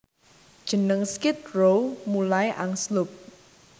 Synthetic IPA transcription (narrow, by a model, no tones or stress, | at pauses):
d̥ʒ̥ə̤nəŋskɪt̪̚rowmulajʔaŋslʊp̚